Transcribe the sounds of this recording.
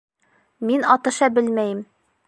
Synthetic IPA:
minɒt̪ɤ̆ʃɑbɘlmæjɘm

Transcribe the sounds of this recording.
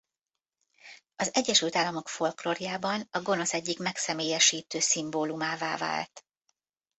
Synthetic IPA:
ɒzɛɟːɛʃylt̪aːlːɒmo̞kfo̞lkloːrjaːbɒnɒɡo̞no̞sɛɟːikmɛksɛmeːjɛʃiːt̪øːsimboːlumaːvaːva̰ːlt̪

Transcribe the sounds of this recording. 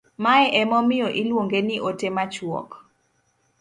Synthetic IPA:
maɛʔɛmɔmɪjɔʔilwoŋɡenɪʔotemat͡ʃwɔ̰k

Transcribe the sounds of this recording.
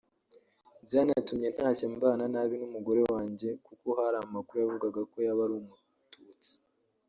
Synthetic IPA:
zanatumɲe̞n̥haːcembaːnanaβinumuɡo̞ɾe̞waːɲɟe̞kukoɦaɾaːmakuɾujavuɡaɡako̞jaβaɾuːmu | tuːt͡si̥

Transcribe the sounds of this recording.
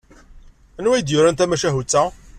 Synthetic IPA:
ənwæjd̪jʊɾænt̪æmæʃæɦut͡sːæ

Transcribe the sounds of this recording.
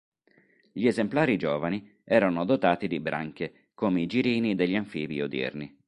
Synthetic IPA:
ʎiezemplaːɾid͡ʒɔːvani | ɛːɾanod̪ot̪aːt̪id̪ibɾʔa̰ŋk̟e | koːmeid͡ʒiɾiːnid̪eʎːaɱfiːviod̪ɛ̰rni

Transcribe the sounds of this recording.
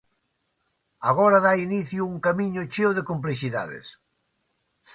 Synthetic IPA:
aɣɔɾaðainiθjuuŋkamiɲʊt͡ʃewðekomp̬liʃiða̰ðḛs

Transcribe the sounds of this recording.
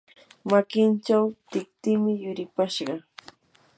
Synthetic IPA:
makɪnt͡ʃawt̪ɪk̚t̪ɪːmɪjʊɾɪpaʃɢɑ

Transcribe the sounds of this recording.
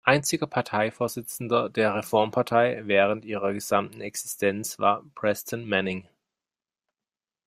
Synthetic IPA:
ʔaɪnt͡sɪɡɐpʰaɐtʰaɪfoːɐzɪt͡sn̩dɐdeːɐʁefɔɐmpʰaɐtʰaɪvɛːʁ̞əntʔiːʁɐɡəz̥amtn̩ɛksɪ̥stʰɛnt͡sv̥a̰ːɐpʁ̥ɛsdɛntmɛnɪŋ

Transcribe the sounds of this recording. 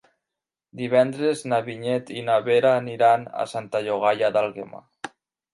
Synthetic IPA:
d̪iβɛnd̪ɾeznaβiɲet̪inaβeɾaːniɾana̰sant̪aʎoɣajaðalɣema̰

